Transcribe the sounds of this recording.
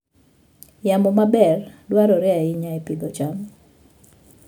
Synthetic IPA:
jamɔmabɛrdwaɾɔɾɛaɪɲaepɪd̪ɔt͡ʃam

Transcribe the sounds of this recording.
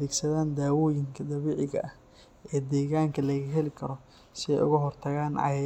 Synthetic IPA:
ɛːɡsɐðaːnd̪aːwɔːjɪŋkʰɐd̪ɐβiːʕɪɣɐ̰ʔɐh | ɛːd̪ɛːɣaːŋkʰɐlɐɣɐɦɛlɪkʰɐɾɔ | sɪɛ̰jʊ̰ɣɐɦɔrt̪ʰɐɣaːnʕɑ̰j

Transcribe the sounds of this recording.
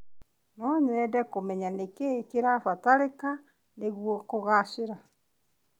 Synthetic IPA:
nɔɲeɾɛdɛkomɛɲanekekeɾafataɾeka | neɣwokoɣaseɾa

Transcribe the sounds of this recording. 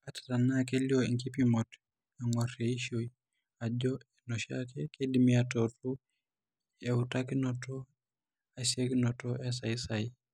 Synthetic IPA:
atḁtanakɛliɔiŋkipimɔt | aŋwaɾɛiʃoj | ad͡ʒɔɛnɔʃa̰kɛkedimiatɔtu | ɛutakinɔtɔ | asekinɔtɔʔɛs̬aisaj

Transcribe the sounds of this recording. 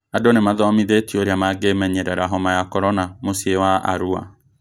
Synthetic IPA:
adonemaðɔmiðetioɾeamaɡemɛɲɛɾɛɾaɦɔmajakɔɾɔnamosiewaʔa̰ɾua̰

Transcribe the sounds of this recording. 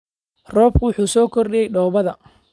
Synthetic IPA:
rɔːb̚kʰwʊħuːsɔːkʰɔrɗɪjɛjɖɔːβɐðɐ

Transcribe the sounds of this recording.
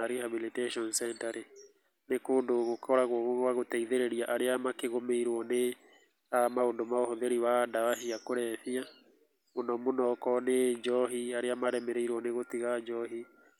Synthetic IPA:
aɾihabiliteʃɔnsɛntaɾe | nekoːndoɣokʰɔɾaɣwɣoɣwaɣotɛiðeɾeɾiaʔaɾeamakeɣomeiɾwɔne | amaondomaohɔðeɾiwadawaɦiakoɾɛfia | monɔmonɔkɔned͡ʒɔɦiaɾeamaɾɛmɛɾeiɾwɔneɣotiɣad͡ʒɔɦi

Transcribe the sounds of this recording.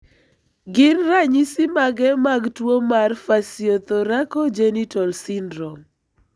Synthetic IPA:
ɡɪnraɲisimaɡɛmaɡtwomarfasiot̪ɔɾakɔd͡ʒenitɔlsindɾɔm

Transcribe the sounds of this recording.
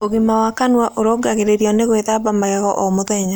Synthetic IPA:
oɣimawakanwaʔoɾoɡaɣeɾeɾiɔneɣweðaβamaɣɛɣɔʔɔmoðɛɲa

